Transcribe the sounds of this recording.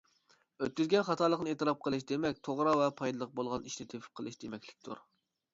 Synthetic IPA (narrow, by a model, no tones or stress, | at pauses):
øt̪̚kʲyzɡʲɛnχɑt̪ʰɑlˠəqnɨet̪ɨɾɑp̚qʰəlˠɨʃ̬d̪emɛkʲt̪ʰoʁɾɑwɛpʰɑjd̪ɨlˠəq̚bolˠʁɑniʃnɪt̪ʰepʰɪ̥p̚qʰəlˠɨʃd̪emɛkʲlɪ̥kʲt̪ʰṵɾ